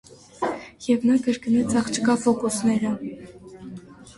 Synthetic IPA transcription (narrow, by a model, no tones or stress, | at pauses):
jɛvnɑkəɾkənɛt͡sʰɑχt͡ʃʰkɑfɔkusnɛɾə